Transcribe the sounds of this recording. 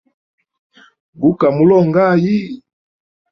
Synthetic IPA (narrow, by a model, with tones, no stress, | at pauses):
ɡu˦ka˨mu˦lɔ˦˨ŋɡa˦ji˦